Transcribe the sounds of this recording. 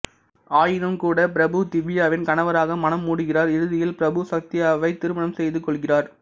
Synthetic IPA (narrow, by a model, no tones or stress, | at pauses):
aːjɪnɐmkuːɽɐp̬ɪɾɐbɯt̪ɪʋɪjaːʋɪnkɐɳɐʋɐɾaːɣɐmɐnɐmːuːɽɯɣɪraːɾɪɾɯðɪjɪlpɪɾɐbɯsɐk̚t̪ɪjaːʋɐɪt̪ːɪɾɯmɐnɐmsɛjðɯkɔɭɣɪraːɾ